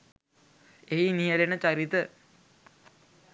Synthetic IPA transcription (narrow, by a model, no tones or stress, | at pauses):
einijɐlenət͡ɕɐɾit̪ə